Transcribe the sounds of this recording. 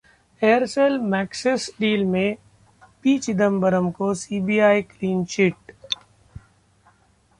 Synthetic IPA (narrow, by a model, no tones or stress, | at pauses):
eːəɾseːlmɛːksɪsɖiːlmẽ | piːt͡ʃɪd̪əmbəɾəmkosiːbiːaːikliːnʃiʈ